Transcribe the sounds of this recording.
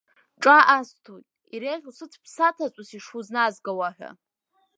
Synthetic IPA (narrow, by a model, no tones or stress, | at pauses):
ʈ͡ʂʼaʔastʰojtʼ | iɾeʁʲsɨt͡sʰpʰsatʰat͡sʷʼʊsiʂuznazɡawaħᶣa̰